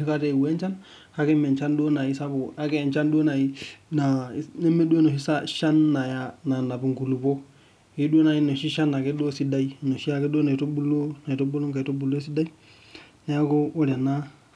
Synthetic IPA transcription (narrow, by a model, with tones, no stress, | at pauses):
i˦ka˦te˦˨we˦nt͡ʃa˦n | ha˦kɛ˦me˨nt͡ʃa˦ndu˦o˦na˨i˦sa˦bo˨a˦kɛ˦˨nt͡ʃa˦ndu˦o˦na˨i˦na˨ne˦me˦du˦o˦no˨ʃi˦sa˦ʃa˦nːa˨ja˨na˨na˨bi˨ŋku˨lu˨po˦ | i˦du˦o˦na˨i˦no˨ʃi˦ʃa˦na˨ke˦do˦si˦da˦i˦˨no˨ʃi˦a˨ke˦do˦na˨i˨to˦bu˦lo˦na˨i˨to˦bu˦lo˦ŋka˨to˦bu˨lo˦s̬i˦da˦i˦ | ne˦ja˦ko˦o˦ɾa˨na˦